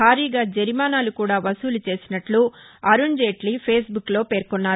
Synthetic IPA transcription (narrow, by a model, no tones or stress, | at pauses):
aːɾiːɡaːd͡ʒɐɾimaːnaːlukuːɽaːʋɐsuːlut͡ʃe̞ːsinɐʈlu | ɐɾund͡ʒeːʈlipʰeːsbukːlo̞ːpe̞ːɾkunːaːɾ